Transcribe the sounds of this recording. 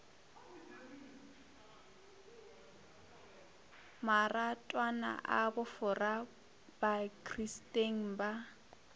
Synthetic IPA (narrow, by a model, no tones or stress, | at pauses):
maratʼwana̰ʔabʊfʊra | bakʰʼristʼeŋ̩ba